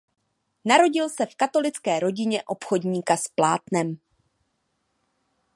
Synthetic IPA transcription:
naɾo̞ɟɪlsɛfkat̪o̞lɪt͡skɛːɾo̞ɟɪɲɛʔo̞pxo̞dɲiːkasplaːt̪nɛm

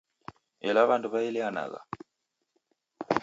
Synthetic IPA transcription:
ɛlaβanduβailiana̰ɣa̰

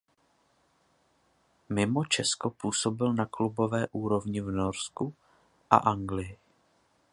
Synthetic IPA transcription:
mɪmo̞t͡ʃɛsko̞puːso̞bɪlnaklubo̞vɛːʔuːɾo̞vɲɪvnoɾsku | ʔa̰ʔaŋɡlɪjɪ

